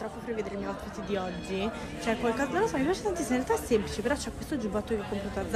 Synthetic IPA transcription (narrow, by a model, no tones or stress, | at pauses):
ɾɔpːopɾeved̪eɾemijawt̪pit̪ːd̪iɔd͡ʒːi | t͡ʃoɛkːwalkɔzanonlːosɔmipjaːt͡ʃe̥t̪ant̪isːiminɾealt̪aɛsːemplit͡ʃepeɾɔt͡ʃɛkːwest̪od͡ʒubat̪ːokeɔkːompɾaːt̪oad̪z